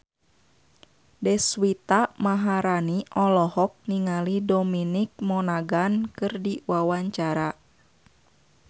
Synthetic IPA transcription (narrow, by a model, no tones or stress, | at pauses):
dɛswit̪amaɦaɾaniʔɔlɔhɔk̚niŋalidɔminik̚mɔnaɡankɨrdiwawaɲt͡ʃaɾa